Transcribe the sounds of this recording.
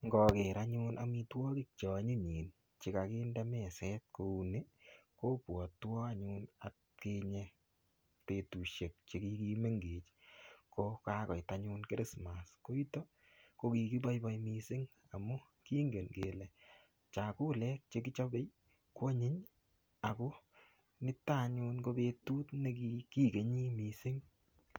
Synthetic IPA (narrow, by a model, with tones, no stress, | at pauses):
ŋɡɔ˨ke˨ɾa˦ɲu˦nʔa˨mi˧twɔ˦kɪ˦k̚t͡ʃɔ˨ɲu˦ɲiː˨n | t͡ʃɪ˨ka˨ki˦ndɛ˦mɛ˨sɛ˦t̚ko˧u˧ne˦ko˦pwɔ˨twɔ˦ka˦ɲʊna˨t | ke˧ɲɛ | pe˨tu˨ʃe˨k̚t͡ʃe˧ki˧ki˦me˦ŋɡeː˨t͡ʃko˧ka˦kɔ˨jtaɲʊ˦nkɪ˦ɾɪ˦sma˨sko˦i˦to˦ | ko˧ki˨ki˦ba˦jba˦jmi˧sɪ˦ŋ | a˨mu˦ | ki˦ŋɡe˨nke˨lɛ˨ | t͡ʃa˨ku˦lɛ˦k̚t͡ʃe˦k̬ɪ˦t͡ʃɔ˦be˦j | ko˦ɲɪ˦ɲ | a˨kʊ˦ | nɪ˦ta˦˨ɲu˧nko˧be˧tu˦tne˦ki˧ki˦ke˨ɲi˦mi˨sɪ˦ŋ